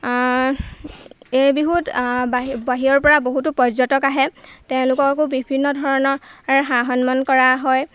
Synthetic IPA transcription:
ejbiɦutabaɦiɔɹpɔɹaboɦutʊpɔzɔtɔkaɦɛtɛʊ̃lʊkɔkkobibʱinːɔdʱɔɹɔnɔɹɦaɦɔnmɔnkɔɹaɦɔj

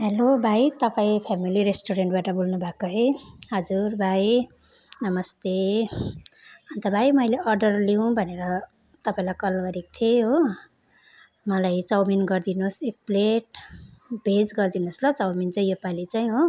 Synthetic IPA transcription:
ɦelobʱajt̪ʌpaĩpʰamiliɾesʈoɾeɳʈbaʈʌbolnubʱakoɦʌjɦʌd͡zurbʱaj | nʌmʌst̪e | ʌnt̪ʌbʱajmʌjleʔʌrɖʌrliw̃bʱʌneɾʌ | t̪ʌpaĩlajkʌlɡʌɾekt̪ʰieɦo | mʌlajt͡sʌwminɡʌrd̪inosek̚pleʈ | bʱed͡zɡʌrd̪inoslʌt͡sʌwmint͡saj̃jopalit͡saĩɦo

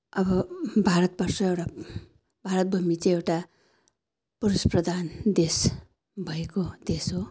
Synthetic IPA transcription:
ʌbʌbʱaɾʌt̪̚bʌrsʌewʈa | bʱaɾʌt̪̚bʱumit͡sʌ̃ĩewʈa | pʌɾusprʌd̪ʱand̪es | bʱʌekod̪̥esɦo

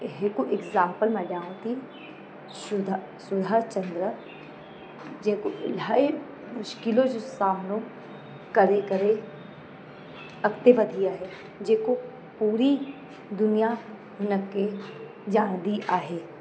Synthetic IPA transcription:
ɦekoʔɪɡzãːmpəlmɛɖjaːõt̪i | ʊd̪ | sʊd̪ʱat͡ʃɐ̃nd̪ɾə | d͡ʒekoɪlaːe | mʊʃkɪlõd͡ʒʊsaːmnõ | kɐɾekɐɾe | ɐkt̪eʋɐd̪ʱijaɦɛ | d͡ʒeːko | puːɾi | d̪ʊnija | ɦʊnəkːe | d͡ʒãːñd̪iʔaːɦeː

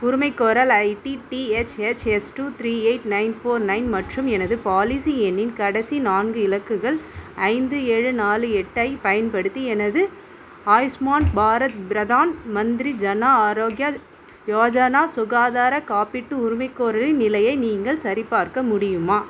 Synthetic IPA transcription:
ʊɾʊmɐɪkːoːɾɐlɐɪʈiʈiɛt͡ʃɛt͡ʃɛsʈut̪ʰɾiːeɪʈnɐɪnfoːɾnɐɪnmɐʈrɯmɛnɐðɯpaːlɪsiɛnːɪnkɐɽɐsinaːnɡɯɪlɐkːɯɣɐɭɐɪnd̪ɯeːɻɯnaːlɯɛʈːɐɪpɐjɐnpɐɽɯt̪ːiɛnɐðɯ | aːjsmaːnbaːɾɐt̪̚bɾɐðaːnmɐnd̪ɪɾid͡ʒɐnaːaːɾoːɡjɐ | jaːd͡ʒɐnaːsʊɣaːðaːɾɐkaːpɪʈːɯʊɾʊmɐɪkːoːɾɐlɪnɪlɐjɐɪniːŋɡɐɭsɐɾɪpːaːɾkɐmʊɽɪjɯmaː

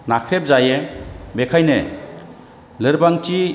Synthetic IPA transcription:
nakʰɾep̚zajebekʰajne | lɯɾbaŋt͡ʃi

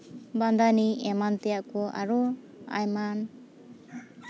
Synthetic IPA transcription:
band̪aniɛmant̪ɛjaʔkɔʔa̰ɾɔ | a̰jman

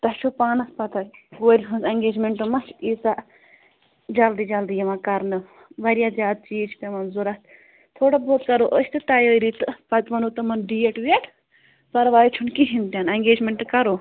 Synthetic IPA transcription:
t̪ɐʃʰupaːnɐspɐt̪ʰɐɡoːɾʲiɦunzɐŋɡeːd͡ʒmeɳʈɨmɐt͡ʃʰiːsaʔ | d͡ʒɐld̪id͡ʒɐld̪ijɐmãkɐɾnɨ | ʋɐɾijaːzʲaːd̪̚t͡ʃiːd͡ʒt̪emɐnzuɾɐt̪ | t̪ʰoːɽaboːt̪kɐɾoːʔəʃʰʲt̪ɨt̪ɐjəːɾit̪ɨpɐt̪mɐnot̪ɨmɐnɖiːeʈʋeʈʰ | pɐɾʋaːjt͡ʃʰunkiɦint̪ʲjanɐŋɡeːd͡ʒmeɳʈɨkɐɾoː

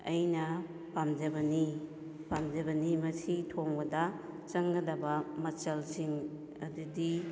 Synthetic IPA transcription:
ɐjnɐ | pamd͡ʒɐbɐni | pamd͡ʒɐbɐnimɐsitʰoŋbɐdɐ | t͡ʃɐŋɡɐdɐbɐmɐt͡ʃɐlsiŋ | ɐ̰dudi

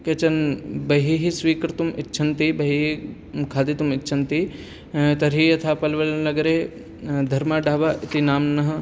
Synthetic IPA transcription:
ket͡ʃɐnbɐɦiɦisʋiːkɾt̪umɪtːʃʰɐnt̪ibɐɦiɦi | kʰaːd̪it̪umɪtːʃʰɐnt̪i | t̪ɐɾɦijɐt̪ʰaːpɐlʋɐlnɐɡɾe | d̪ʱɐɾmaɖaːʋaʔɪt̪inaːmnɐɦɐ

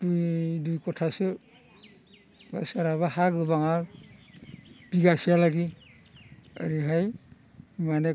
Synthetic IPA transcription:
tujdujkɔtʰasɯ | ba̰saɾaβahaɡɯbaŋal | b̥iɡasijalaɡi | ə̰ɾiɦaj | mane

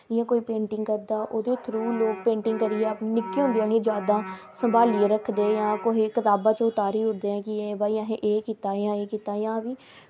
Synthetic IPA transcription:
ɪjãːkoːiːpẽːɳʈɪŋɡkəɾd̪aːʔoːd̪eːt̪ʰɾuːloːk̚pẽːɳʈɪŋɡkəɾieːəpnɪkːiːõːnd̪iaːnĩːd͡ʒaːd̪aː | səmbaːlieːɾəkʰːd̪eːjãːkoɦiːkɪt̪aːbãːt͡ʃʊt̪aːɾiːʊɾd̪eːɛ̃ːkɪebaːiːãɦẽʔeːkiːt̪aːjãːeːkiːt̪aːjãːbiː

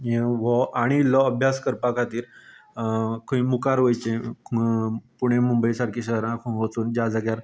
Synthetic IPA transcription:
jeʋɔʔaɽ̃ilɔəbʱjaskəɾpakʰat̪iːɾ | kʰəĩmukaɾʋəjt͡ɕẽ | puɽ̃emumbəjsaɽkʰiɕəɦɾãkʰuʋət͡suːnd͡ʑad͡zaɡjaɾ

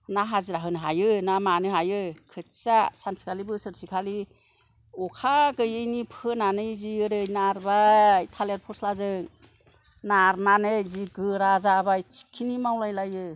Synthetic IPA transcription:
naɦazɯɾaɦɯnɦajɯnamanɯɦajɯkʰɯtsasansi̥kʰalibɯsɯɾsikʰali | ɔkʰaɡɯjɯjnipʰɯnanɯjziɯɾɯjnaɾbaitʰaleɾpʰɔɾslazɯŋ | naɾnanɯjziɡɯɾazabajt͡ʃʰi̥kʰːinimawlajlajɯ

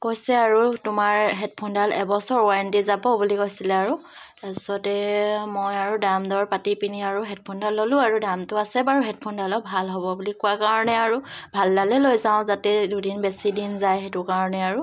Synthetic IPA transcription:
kojsɛaɹutʊmaɹɦɛt̚pʰɔndalɛbɔsɔɹɔantizabɔbulikojsilɛaɹu | ɛsɔtɛmɔjaɹudamdɔɹpatipiniaɹuɦɛt̚pʰɔndalːolʊ̃aɹudamtʊasɛbaɹuɦɛt̚pʰondalɔbʱalɦɔbɔbulikʊakaɹɔnɛaɹu | bʱaldalɛlojzãʊ̃zatɛdudinbesidinzajɦetʊkaɹɔnɛaɹu

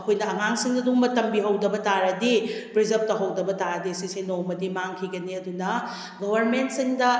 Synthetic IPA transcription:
ɐkʰojnɐɐŋaŋsiŋdɐduŋmɐtɐmbiɦɐwdɐbɐtaɾɐdipɾizɐp̚tɐɦɐwdɐbɐtaɾɐdisisinomɐdimaŋkʰiɡɐniɐdunɐ | ɡoβɐɾment̚siŋdɐ

